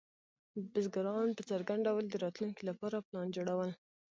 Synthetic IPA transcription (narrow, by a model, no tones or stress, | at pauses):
bɪzɡaɾɑnpət͡saɾɡaɳɖawəld̪əɾɑt̪luŋkilapɑɾaplɑnd͡ʒoɽawəl